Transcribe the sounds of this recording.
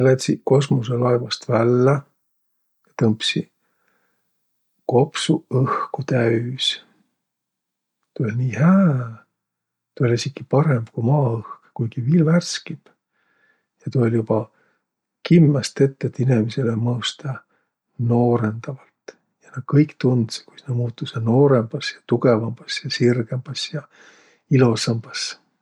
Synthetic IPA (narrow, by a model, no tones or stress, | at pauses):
elet̪siko̞s̬mos̬elɑevɑst̪vælːe | jɑt̪ɤmpsi | ko̞psuɤhkut̪æys | t̪uolʲniːhæː | t̪ːˑuolʲisʲiɡipɑɾe̞mb̥kumɑːɤhkkujɡ̥iviːlværskib̥ | jɑt̪uolʲjub̥ɑ | kimːɑst̪e̞t̪ːet̪ːinemise̞lemɤuwst̪ɑ | no̞ːɾe̞nd̪ɑvɑlt̪ | jɑnɑd̪̥̚kɤjkt̪und̪se̥kujsnɑmuːt̪ːˑusɑnoːɾe̞mb̥ɑsjɑt̪uɡ̥e̞vɑmb̥ɑsjɑsirɡ̥e̞mb̥ɑsjɑ | ilusɑmb̥ɑs